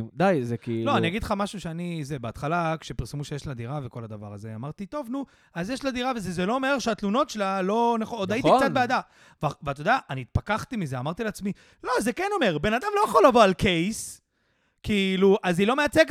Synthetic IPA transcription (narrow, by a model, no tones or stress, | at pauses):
d̪ajzekiːlo̞anniaɡid̪lχamaʃuʃeanizebeat̪χalakʃe̞piʁsemuʃejeʃlad̪iʁaveko̞lad̪ava̰ʁa̰zḛa̰maʁt̪it̪o̞vnu | azjeʃlad̪iʁavezezelo̞omeʁʃeat̪luno̞t̪ʃelalo̞naχood̪ait̪ikt͡sat̪bead̪a | vvat̪od̪aʔaniːt̪̚pakaχt̪imizeamaʁt̪ileat͡smi | lo̞zekeno̞me̞ʁbe̞nad̪amlo̞jaχo̞lavo̞alke̞js | kiːluʔazilo̞meat͡sek